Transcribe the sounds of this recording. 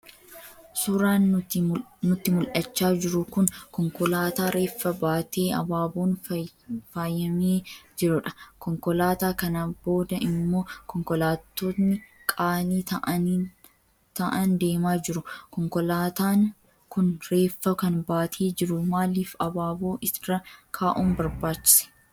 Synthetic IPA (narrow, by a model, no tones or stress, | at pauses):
sʊɾaːn | nʊt̪ːɪmʊlʔɐt͡ʃːaːd͡ʒɪɾʊkʊnkɔŋkɔlaːt̪aːɾʔe̞ːfːɐbaːt̪e̞ːʔɐ̰baːboːn | faːjːɐmeːd͡ʒɪɾʊᶑɐ̥kɔŋkɔlaːt̪aːkɐnɐbo̞ːd̪ɐʔɪmːo̞ːkɔŋkɔlaːt̪ːoːt̪nɪkʼaːniːt̪ɐʔɐniː | t̪ɐʔɐnd̪e̞ːmaːd͡ʒɪɾʊkɔŋkɔlaːt̪aːŋ | kʊnɾe̞ːfːɐkɐnbaːt̪ʰeːd͡ʒɪɾʊmaːliːfɐbaːbo̞ːʔɪsrɐkʰaːʔuːmbɐɾbaːt͡ʃːɪ̥sɛ̥